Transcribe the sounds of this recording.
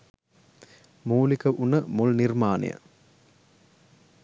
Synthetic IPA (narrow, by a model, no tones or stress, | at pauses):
muːlikəʔunəmulnirmaːnḭjə̰